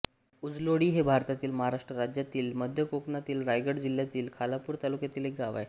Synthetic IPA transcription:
ud͡zloɽiːɦebʱaɾt̪at̪iːlməɦaɾaʂʈɾəɾad͡ʑjat̪iːlməd̪ʱjəkoknat̪iːlɾajɡəɽd͡ʑil̤jat̪iːlkʰalapuːɾt̪alukjat̪iːlek̚ɡaʋa̰j

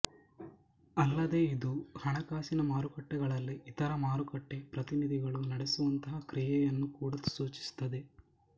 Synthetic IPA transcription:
ɐlːɐd̪e̞ːid̪uhɐɳɐkaːsinɐmaːɾukɐʈːɛɡɐɭɐlːiʔːt̪ɐɾɐmaːɾukɐʈːe̞pɾɐt̪inid̪ʱiɡɐɭunɐɽesuʋɐnt̪ɐɦɐkɾijɛjɐnːukuːɽɐ̥suːt͡ʃi̥st̪ɐd̪e̞

